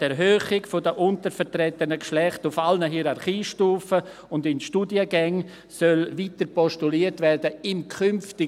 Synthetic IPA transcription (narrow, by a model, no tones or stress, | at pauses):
tɛɾɦøːχɪɡfodəʔʊntəɾfɛɾtɾɛtənəkʃlɛχtʊfalnəɦiːɾaɾχiːʃtuːfə | ʊndɪnʃtuːdiəɡɛŋ | sœlviːtəɾpɔʃtuliːəɾtvɛrdəɪmkʰʏmftɪ